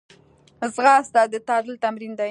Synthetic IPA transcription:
zɣɑst̪ad̪ət̪ɑd̪əlt̪amɾind̪a

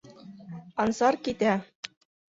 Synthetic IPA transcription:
ɑnsɑɾkit̪æ

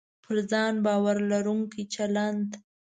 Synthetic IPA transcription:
pʰəɾzɑnbɑwaɾlaɾuŋkit͡ʃalant̪

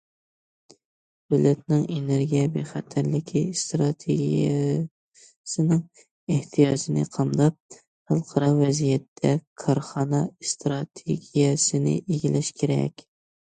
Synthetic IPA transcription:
dølɛt̪nɪŋeneɾɡʲijɛbeχæt̪ʰæɾlɪkʲʰist̪ɾɑt̪ʰeɡʲijɛ | sɪnɪŋ | eht̪ʰijɑd͡ʒɪnɪ̰qʰɑmd̪ɑp̚ | hɑlˠqʰɑɾɑvɛzijɛt̪ʰːɛkʰɑɾχɑnɑst̪ɾɑt̪ʰeɡʲijɛsɪnɪ̰ʔeɡʲilɛʃkʲʰeɾɛ̰kʲ

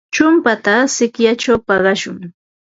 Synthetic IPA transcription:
t͡ʃʊmpat̪asɪkjat͡ʃawpɑɢɑʃʊŋ

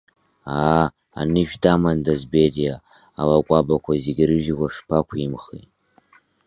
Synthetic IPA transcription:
aː | a̰nɨʒᶣtʼamandazberijaː | lakʷʼabakʷʰazeɡʲrɨʒᶣiɡʷaʂpʰakʷʰimχḭtʼ

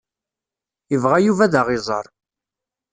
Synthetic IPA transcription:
əvʁajuvæðəʁɪzˤə̰ɾˤ

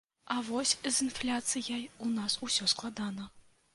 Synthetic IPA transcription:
ɐvɔsʲzɨnflʲat̪sɨjajunasusʲɔsklˠad̪anɐ

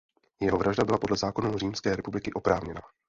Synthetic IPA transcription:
jɛɦo̞vɾʔaʒdabɪlapodlɛzaːko̞nuriːmskɛːɾɛpublɪkɪʔo̞pɾaːvɲɛna

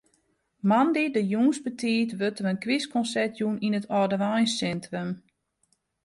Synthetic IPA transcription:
mandidəjuːnsbətʰiːtʋøtəmənkʋiskɔnsɛrtʰjuninətʰɔdəʋajnsɛntrəm

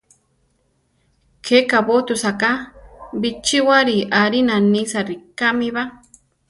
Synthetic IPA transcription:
kʰekabot̪usakabit͡ʃiwaɾiʔaɾinanisaɾikamiβa

